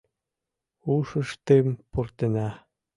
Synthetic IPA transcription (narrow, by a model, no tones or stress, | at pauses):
uʃə̆ʃt̪empurt̪enæ